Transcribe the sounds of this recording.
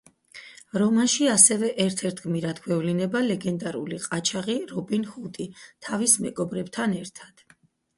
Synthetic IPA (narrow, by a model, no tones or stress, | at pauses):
ɾɔmanʃiasɛvɛʔɛɾt̪ʰɛɾt̪ʰɡmiɾad̪ɡwɛvlinɛbalɛɡɛnd̪aɾṵliqʼat͡ʃʰaʁiɾɔbinhut̪ʼit̪ʰavismɛɡɔbɾɛbt̪ʰanɛɾt̪ʰad̪̥